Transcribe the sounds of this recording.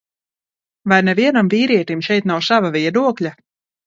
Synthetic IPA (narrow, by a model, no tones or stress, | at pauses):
vajnɛvʲiɛnamviːɾiɛt̪imʃɛjt̪nawsavavʲiɛd̪uɔklʲa